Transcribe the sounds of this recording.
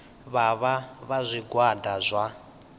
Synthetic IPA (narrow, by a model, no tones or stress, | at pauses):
βaβaβazʷiɡwadazʷa